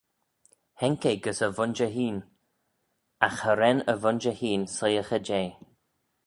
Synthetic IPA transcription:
hɛŋkeɡəsəvʊnd͡ʒəɦiːn | axhəɾɛnə̰vʊnd͡ʒəhiːnsəjəxəd͡ʒeː

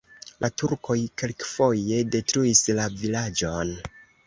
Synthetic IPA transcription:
lʔatuɾko̞jke̞lkfo̞je̞de̞tɾuislavilad͡ʒon

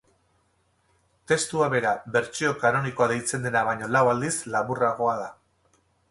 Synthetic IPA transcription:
t̪e̞st̪uaβe̞ɾaβe̞ɾt͡ʃio̞kano̞niko̞aðe̞jt͡se̞nd̪e̞naβ̞ajɲo̞lawald̪islaβuraɣo̞að̞a

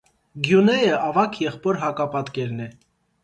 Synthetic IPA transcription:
ɡjunɛjəʔɑvɑkʰjɛχpɔɾɦɑkɑpɑt̪kɛɾnɛ

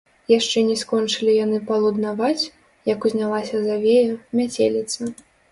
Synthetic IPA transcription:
jaʂt͡ʂɛnʲɛskɔnt͡ʂɨlʲijanɨpɐlˠud̪navat͡sʲ | jɐkuzʲnʲalˠasʲɐzavʲejɐmʲat͡sʲḛlʲit̪sɐ

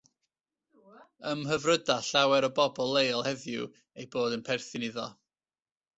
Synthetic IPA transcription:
əmɦəvrədaɬawɛɾɔbɔbɔlˠejlˠhɛðjṵ | ejboːdənpʰɛrθɨniðɔ

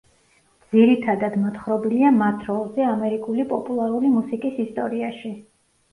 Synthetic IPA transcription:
d̪z̥iɾit̪ʰad̪ad̪mɔt̪χɾɔbiliamat̪ʰɾɔlˠzɛamɛɾikʼulipʼɔpʼulˠaɾulimusikʼisist̪ʼɔɾiaʃi

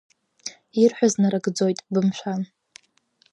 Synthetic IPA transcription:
irħʷᶣaznaɾaɡd͡zojtʼbɨmʃʷan

